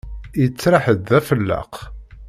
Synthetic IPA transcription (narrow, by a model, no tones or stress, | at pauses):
jət͡sːɾɑħəd̪ðæfəlːə̰q